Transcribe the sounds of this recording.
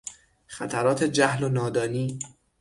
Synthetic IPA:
χæt̪ʰæɾɒːt̪ʰe̞d͡ʒæhlonɒːd̪ɒːniː

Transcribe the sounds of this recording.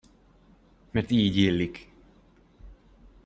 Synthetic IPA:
mɛrt̪iːɟeːlːik

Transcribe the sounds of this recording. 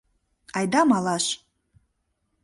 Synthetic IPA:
ajdamalaʃ

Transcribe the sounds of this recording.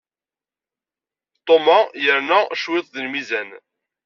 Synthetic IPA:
t̪ˤomajəɾnæʃwɪðˤðəlmizæn

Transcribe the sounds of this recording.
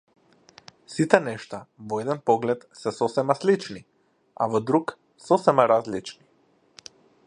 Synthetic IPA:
sit̪ɛnɛʃt̪avɔɛd̪ɛnpɔɡlɛt̪sɛsɔsɛmaslit͡ʃni | a̰vɔd̪ɾuk | sɔsɛmaɾazlit͡ʃni

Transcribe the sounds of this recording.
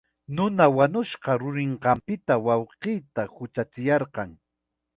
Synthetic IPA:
nʊnawanʊʃɢɑɾʊɾɪɴqɑmpɪt̪awɑwqijt̪ahʊt͡ʃat͡sɪjɑɾqɑŋ

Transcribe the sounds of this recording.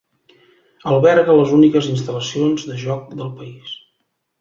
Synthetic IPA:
əlˠβɛɾɣələzunikəzinst̪ələsionzðəʒɔk̚d̪əlˠpəis

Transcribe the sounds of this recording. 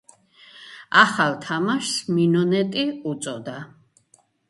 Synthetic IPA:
aχalt̪ʰamaʃsminɔnɛt̪ʼiut̪sʼɔd̪a

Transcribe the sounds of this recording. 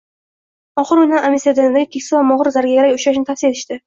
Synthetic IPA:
ɒχɨɾʊjnanamʲisjad̪enɪd̪aɡʲɪkʲʰekʲsɪvamɒʁɾzaɾɡʲaɡʲaɾaɡʲʊʃaʃ̬nɪt̪ʰafsijeɪʃt̪ɪ

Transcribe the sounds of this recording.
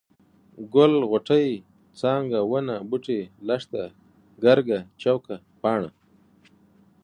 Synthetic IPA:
ɡʊlɣoʈəj | t͡sɑːŋɡawənabuʈelaʂt̪a | ɡaɾɡat͡ʃawka | pɑːɳa̰

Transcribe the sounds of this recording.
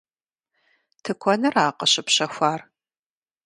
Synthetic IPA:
tʰɨkʷʰɔnɐraːqɐɕɪpɕɐxʷaːr

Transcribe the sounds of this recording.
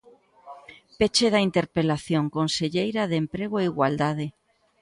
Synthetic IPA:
pet͡ʃeð̞ɐint̪eɾpelaθjoŋkonseʎejɾaðempɾeɣ̞oeiɣwald̪að̞e

